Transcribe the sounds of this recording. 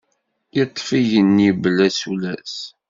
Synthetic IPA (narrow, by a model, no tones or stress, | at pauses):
jət̪ˤːfiʝənːiblːæsulæs